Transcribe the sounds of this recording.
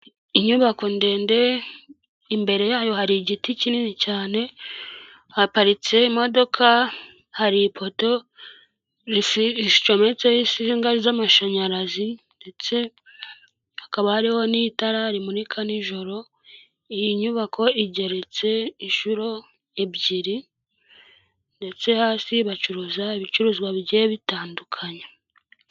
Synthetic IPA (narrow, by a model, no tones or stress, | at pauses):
iɲuβako̞nde̞ːnde̞ | imbe̞ɾe̞jaːjo̞haɾiɟiticininicaːne̞ | hapaɾit͡se̞imo̞do̞kʰa | haɾipʰo̞to̞ | ist͡ʃome̞t͡seisiŋɡaɾizamaʃaɲaɾazinde̞t͡se̞ | hakaβahaɾiho̞nitaɾaɾimuɾikʰaniʒo̞ɾo̞ | ijiɲuβakʰo̞iɟe̞ɾe̞t͡se̞iɲʃuɾo̞ | eβɟiɾi | nde̞t͡se̞haːsiβat͡ʃuɾuzaiβit͡ʃuɾuːzɡwaβiɟeβitaːndukʰaɲe